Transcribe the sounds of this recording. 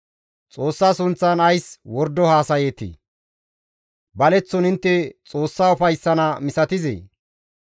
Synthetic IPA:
t͡sʼo̞ːsːaːsʊnt͡sːɐnɐjswɔɾd̪ɔhaːsɐjeːt̪ːḭː | bɐlɛt͡sːɔnɪnt̪ːɛt͡sʼo̞ːsːaːʊfɐjsːɐnɐmɪsɐt̪ɪzḛː

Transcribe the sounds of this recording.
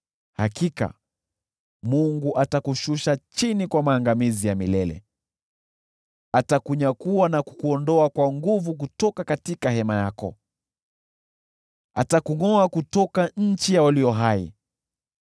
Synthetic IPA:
hakika̰ | muŋɡuʔatakuʃuʃat͡ʃinikwamaːŋɡamizijamilɛlɛ̰ | atakuɲakuwanaku̥kuɔndɔakwaŋɡuvuk̬utɔkakatikahɛmajakɔ̰ | a̰takuŋɔakutɔkaɲ̩t͡ʃijawaliɔɦaḭ

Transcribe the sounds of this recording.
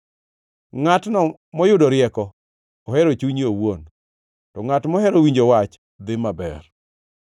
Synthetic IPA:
ŋatnɔ | mɔjʊdɔɾɪɛkɔː | hɛɾot͡ʃuɲiowon | tɔŋatmɔɦɛɾowiɲd͡ʒowat͡ʃ | d̪ɪmabɛ̰r

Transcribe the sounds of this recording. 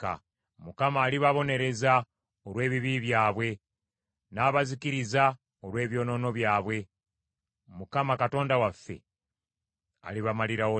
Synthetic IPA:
a̰ | mukamaːliβaβo̞ne̞ɾe̞za | oɾwe̞ːβiβiβjaːβwe̞ | naːβazikiɾiza | olwe̞ːβjo̞ːno̞ːno̞βjaːβwe̞ | mukamakato̞ːndawafːe̞̰ | a̰liβamaliɾawo

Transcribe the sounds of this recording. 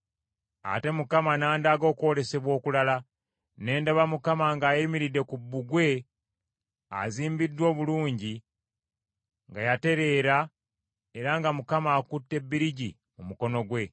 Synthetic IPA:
a̰te̞mukamanaːndaːɡo̞ːkwo̞ɾe̞se̞βwo̞ːkulala | ne̞ːndaβamukamaŋɡaːjimiɾidːe̞kubːuɡwe̞ | a̰ziːmbidːwo̞ːβuluːɲɟi | ŋɡajate̞ɾe̞ːɾa | e̞ɾaŋɡamukamaːkutːe̞bːiɾiɟi | mumuko̞no̞ɡwe̞

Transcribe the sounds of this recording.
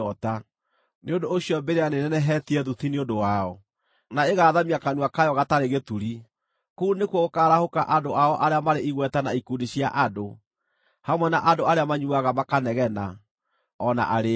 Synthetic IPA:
ɔta | neondoːɕiɔbeɾeanenɛnɛɦɛtiɛðutineondowaɔ | naeɣaːðamiakanuakajɔɣataɾeɣetuɾi | kuunekwɔɣokaːɾahokaʔadoʔaɔʔaɾeamaɾeiɣwɛtanaikudiɕia̰ʔado | hamwɛnaʔadoaɾeamaɲuaɣamakanɛɣɛna | ɔna̰ʔaɾe

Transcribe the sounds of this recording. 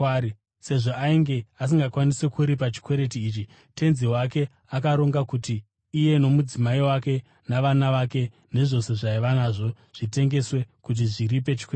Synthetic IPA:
i | se̞ʐo̞ʔaiŋɡe̞as̬iŋɡakwanise̞kuɾip̬at͡ʃi̥kwe̞ɾe̞t̬iːt͡ʃi | te̞nziwake̞ | akaɾo̞ŋɡakutiː | je̞no̞mud͡zimaiwake̞ | naʋanaʋake̞ | ne̞ʐo̞se̞ʐaiʋanaʐo̞ | ʐ̥ite̞ŋɡe̞swe̞kut̬iʐirip̬e̞t͡ʃi̥kwe

